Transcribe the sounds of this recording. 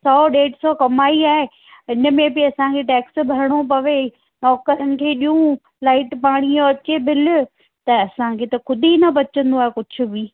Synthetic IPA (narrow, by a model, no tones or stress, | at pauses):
sɔːɗeːʈsɔkɐmaːiaːɦe | ɦɪnə̆mẽbɪɐsãkʰeʈɛːksbʱɐɾəɽ̃op̬ɐʋe | nɔːkəɾənɪ̆kʰeːɗijũ | laːɪʈpaːɽ̃iõɐt͡ɕebʱɪlʊ̆ | t̪ɐɐsãkʰeːt̪ɐkʊd̪ʱinɐbɐt͡ɕə̃nd̪oaːɦekʊd͡ʑʱʊ̆bi